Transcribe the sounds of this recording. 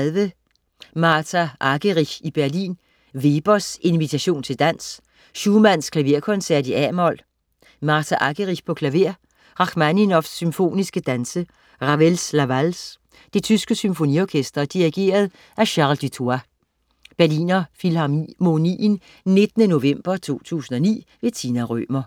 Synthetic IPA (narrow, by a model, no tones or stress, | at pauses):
ʋə | mɑ̈ːt͡sʰæʔɑɡ̥əʁiçib̥æɐlḭːn | ʋe̝ːb̥ɐse̝nʋit͡sʰæɕo̝̰ːnt͡sʰe̝ld̥æn̰s | ɕuːmæn̰skʰlæʋe̝ɐkʰɔ̽nsæɐ̰d̥iæmɒl̰ | mɑ̈ːt͡sʰæʔɑɡ̥əʁiçpʰɒ̽kʰlæʋe̝ɐ̰ | ʁɑ̈ɡ̥mæninɒfsːymfo̝̰ːnisɡ̥əd̥ænsə | ʁɑʋelslæʋæls | d̥e̝t͡sʰysɡ̥əsymfo̝niɒkʰesd̥ɐd̥iʁiɡ̥e̝̰ːɐð̞ˠ | æɕɑ̈ld̥it͡sʰoæ | b̥æɐlḭːnɐfilɑmo̝nḭːn | ne̝d̥ənəno̝ʋem̰b̥ɐt͡sʰo̝̰ːt͡sʰṵːsn̩ɒ̽nḭːʋe̝t͡sʰinæʁø̰ːmɐ